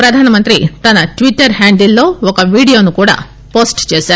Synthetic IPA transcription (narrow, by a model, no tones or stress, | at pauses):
pɾɐd̪ʱaːnɐmɐnt̪ɾit̪ɐnːɐʈʋiʈːɐɾɦaːɳɖilːoːɔkɐʋiːɽijoːnukuːɽɐ̰ | poːsʈt͡ʃeːsa